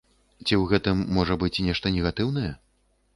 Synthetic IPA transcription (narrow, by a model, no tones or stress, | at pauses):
t͡sʲiwɣɛt̪ɨmːɔʐɐbɨt͡sʲnʲɛʂt̪ɐnʲɛɣat̪ɨwn̪ɐjɛ